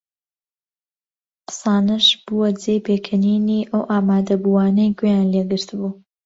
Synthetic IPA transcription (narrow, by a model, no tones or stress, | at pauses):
qɨ̥saːnɨʃb̥uɐd͡zejpeːkʰɨniːniːʔɐwʔaːmaːd̪ɐbuwaːnɐjkʰojaːnleɡɨɾt̪ʰɨbuː